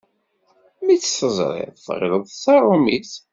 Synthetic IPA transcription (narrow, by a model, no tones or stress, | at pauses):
mit͡sːsəzˤɾˤɪ̰ðfʁɪ̰ləðˤsɑrˤʊmiθ